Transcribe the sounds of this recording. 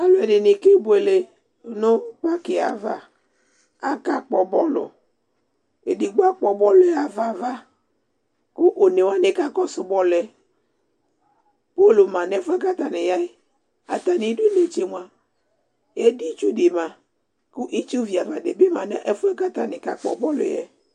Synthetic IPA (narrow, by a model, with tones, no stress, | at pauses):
a˦lʊ˨ɛ˨dɪ˨nɪ˨ke˦bʊ˨e˨le˨ | nʊ˦k͡pa˦kɪ˨a̰˨va̰˦ | a˦ka˦k͡pɔ˨bɔ˦lʊ̰˨ | e˨di˨ɡ͡ba˦k͡pɔ˨bɔ˦lɛ˦a˨va˦va˦ | kʊ˦ʔo˨ne˨wa˦ne˨ka˦kɔ˦sʊ˨bɔ˦lɛ˦ | po˦˨lo˨mã˨nɛ˨˦fu˦ɛ˦ka˦t̪a˨nɪ˨ja˦e˦ | a̰˨t̪a˨nĩ˨˦du˦ne˨t͡ʃe˨mʷ˨a˨ | e˨˦di˦t͡ʃu˦de˨mã˨ | kʊ˦ʔi˦t͡ʃu˦vi˨a˨va˨de˨be˦mã˨nɛ̃˦ʔe˦fʊ˦ɛ˦ka˦t̪a˨nɪ˨ka̰˨k͡pɔ̰˨bɔ˦lʊ̰˨jɛ̰˦